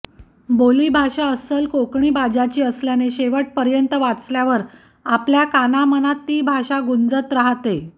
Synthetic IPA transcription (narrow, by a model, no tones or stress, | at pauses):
boliːbʱaʂaəsəlkokɳiːbad͡ʑat͡ɕiːəsljaneɕeʋəʈ̚pəɾjənt̪əʋat͡sljaʋəɾ | apljakanamənat̪ːiːbʱaʂaɡund͡zət̪ɾaɦt̪e